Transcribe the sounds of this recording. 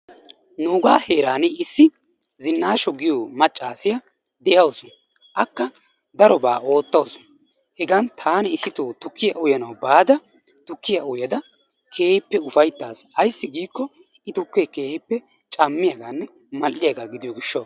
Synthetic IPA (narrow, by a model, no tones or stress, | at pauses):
noːɡaːheːɾaːnɪɪsːɪ | zɪnːaːʃɔɡɪjoːmɐt͡ʃʼːaːsɪjɐ | d̪ɛjɐwsɔn | ʔɐkːɐ | d̪ɐɾɔba̰ːo̞ːt̪ːɐwsɔ̥n | hɛɡɐnt̪ʰaːnɛɪsɪt̪oːt̪ʊkːɪjɐʔʊjɐnɐwbaːd̪ɐ | t̪ʊkːɪjɐʊjɐd̪ɐ | kʰe̞ːhɪpːɛʊfɐjt̪ːaːsɐjsːɪɡiːkːɔ | ɪt̪ʊkːekeːhɪpːɛ | t͡ʃʼɐmːɪjɐɡaːnːɛ | mɐlːɪjɐɡaːɡɪd̪ɪjɔɡɪʃːɐ